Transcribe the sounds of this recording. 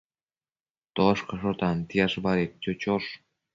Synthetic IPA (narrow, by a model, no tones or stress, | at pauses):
t̪oʃkɤ̆ʃoɾt̪ɑnt̪iɑʃbɑɾet̪̚t͡ɕot͡ɕoʃ